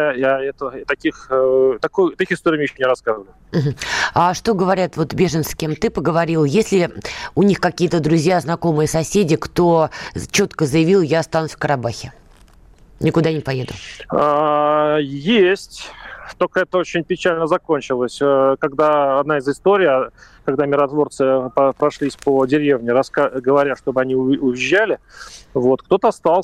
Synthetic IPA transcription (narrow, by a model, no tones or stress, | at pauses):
ajaɛt̪ət̪ɐkʲixt̪ɐkujʊt̪ɐkʲixɪst̪oɾɪːmʲɪjɕomnʲɪɾɐskaəvəlʲʊm̩ɦm̩aʂt̪o̞ɡəvɐɾʲat̪vo̞t̪bʲe̞ʐənt̪sskʲemt̪ɨpəɡəvɐɾʲilˠjesʲlʲɪʊnʲixkɐkʲijət̪əd̪ɾʊzʲjaznɐko̞mɨjəsɐsʲedʲɪkt̪ot͡ɕo̞t̪kəzəjɪvʲilˠjast̪ansfkəɾɐbaxʲɪ | nʲɪkʊd̪anʲɪpɐjed̪ʊ̰a | jesʲtʲt̪olʲkəɛt̪əot͡ɕɪnʲpʲɪt͡ɕælʲnəzɐko̞nʲt͡ɕɪlˠəsʲəkɐɡd̪aːd̪naɪzɨst̪oɾʲɪija | kɐɡd̪amʲɪɾɐt̪vo̞rt̪sɨpəpɾɐʂlʲisʲpədʲɪɾʲe̞vnʲɪɾɐskaɡəvɐɾʲaʂt̪o̞bɨɐnʲiʊʊjɪʑːælʲɪvo̞t̪k̚t̪o̞t̪əɐst̪alˠ